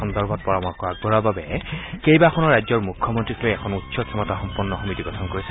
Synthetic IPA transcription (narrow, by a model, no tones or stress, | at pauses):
ɔndɔɹbʱɔt̚pɔɹɔmɔkɔɹak̚bɔɹababɛkejbaxʰɔnɔɹːajzɔɹmukʰːɔmɔntɹikʰlojɛkʰɔnutsɔkʰɛmɔtaxɔmpunːɔxomitiɡɔtʰɔnkoɹisɛ